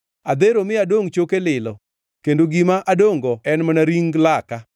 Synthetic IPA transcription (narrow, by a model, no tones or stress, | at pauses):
ad̪eɾomɪadoŋt͡ʃokelɪlɔ | kendoɡimaʔadoŋɡɔɛnmanaɾiŋɡlaka